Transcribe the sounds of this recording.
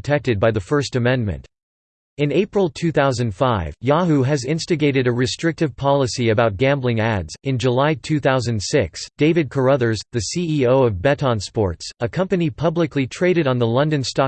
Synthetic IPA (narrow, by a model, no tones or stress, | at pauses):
tʰɛk̚tɨd̚baɪðɨfɜ˞stɨmɛ̃nmɨ̰̃nt | ɨ̃neɪpɹl̩ˠtʰʉθaʊzɨ̃nd̥faɪvjɑɦʉɨzɪ̃nstɨɡeɪɾɨɾɨɹɨstɹ̥ɪk̚tɨv̥pʰɑlˠəsiɨbaʊt̚ɡ̥æ̃mblɪ̃ŋædzɨ̃nd͡ʒəlaɪtʰʉθaʊzɨ̃ndsɪksd̥eɪvɨd̚kʰə˞ʌðə˞zðɨsiioʊʌvbɛɾɑ̃nspɔ̰ɹtsəkʰʌ̃mpɨnipʰʌblɨklitʰɹ̥eɪɾɨɾn̩ðəlʌ̃ndɨ̃nstɑ